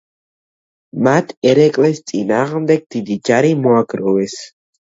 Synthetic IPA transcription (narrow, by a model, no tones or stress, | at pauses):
mat̪ʰɛɾɛkʼlɛst̪sʼinaːʁəmd̪ɛɡ̚d̪̥id̪id͡ʒaɾimɔaɡɾɔwɛs